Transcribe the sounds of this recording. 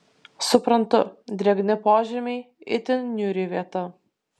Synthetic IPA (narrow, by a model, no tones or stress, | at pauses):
sʊpɾɐnt̪ʊ̰d̪ʲɾʲɛɡnʲɪpoːʒʲɛmʲɛɪ | ɪ̰t̪ʲɪnnʲuːɾʲiʋʲiɛt̪ɐ